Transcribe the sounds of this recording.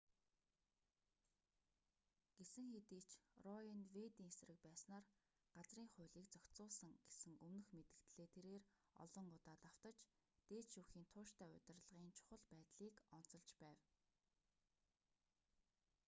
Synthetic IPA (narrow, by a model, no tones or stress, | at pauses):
ɡ̥esɘ̆ŋxet̪iːt͡ɕʰrɔinwet̪iːŋesrɘ̆k̚pæːsnaːr | ɢ̥at͡sriːŋχʊ̟ːɮiːkt͡sœkʲt̪t͡sʊːɮsə̆ŋɡ̥esɘ̆ŋɵmnɵ̆xmet̪ɘ̆kt̪ɮeːt̪ʰeɾeːrɔ̰ɮɞ̆ŋʊt̪aːt̪aw̥t̪ə̆t͡ɕt̪eːtʃuːxiːnt̪ʰʊːʃt̪æːʊ̰t̪ʲɪ̆rɮʁiːnt͡ɕʰʊ̥χə̆ɮpæːt̪ɮiːkɔn̥t͡sɞ̆ɮt͡ɕpæːw